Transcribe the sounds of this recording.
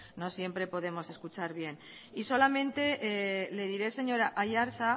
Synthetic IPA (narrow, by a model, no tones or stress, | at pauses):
no̞sje̞mpɾe̞po̞ð̞e̞mo̞se̞skut͡ʃaɾβje̞n | iso̞lamẽ̞nt̪e̞ʔle̞ðiɾe̞se̞ɲo̞ɾaʔaʝaɾθa